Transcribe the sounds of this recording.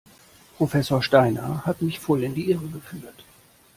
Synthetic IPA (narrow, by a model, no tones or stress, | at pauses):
pʁ̥ofɛsoːɐʃtaɪnɐ̰hatmɪçfɔlɪndiːʔɪʁəɡəfyːɐt